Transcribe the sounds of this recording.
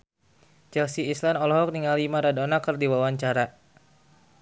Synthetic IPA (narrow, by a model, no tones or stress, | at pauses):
d͡ʒɛlsiislandɔlɔɦɔk̚niŋalimaɾadɔnakərdiwawaɲt͡ʃaɾa